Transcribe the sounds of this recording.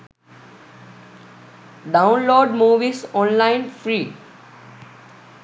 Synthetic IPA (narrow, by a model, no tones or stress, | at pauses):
ɖãʊ̃nloːɖmuːʋisɔ̃ːnlãɪ̃nfɾiː